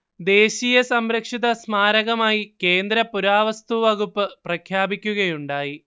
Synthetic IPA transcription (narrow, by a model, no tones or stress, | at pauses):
d̪e̞ːɕijɐsɐmɾɐkʂiðɐsmaːɾɐɣɐmaːjike̞ːnd̪ɾɐpuɾaːʋɐst̪uʋɐɣupːɨprɐkʰjaːbikʲːuɣɐjuɳɖaːji